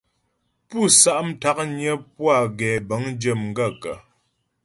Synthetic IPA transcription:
pu˦sa˦˨ʔm̩˦ta˦k̚ɲjə˦pwa˦˨ɡɛː˨bə˨˦ŋ˦d͡ʒə˦˨mŋ˨ɡə˦˨kə˨

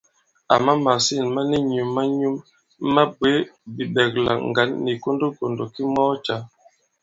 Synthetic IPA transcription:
a˨ma˦ma˨si˦˨nma˦ni˦ɲu˨mːa˦ɲu˦mː | a˦be˨˦bi˨ɓɛ˨k̚la̰˨ŋ˨ɡa˨˦nːi˨ko˦ndo˦ko˨ndo˨ki˦mɔ˦t͡ʃa˨˦

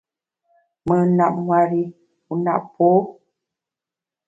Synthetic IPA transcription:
mə˨na˦˨ʔ̚ŋwa˨ɾi˦ | u˨na̰˨ʔpo˦

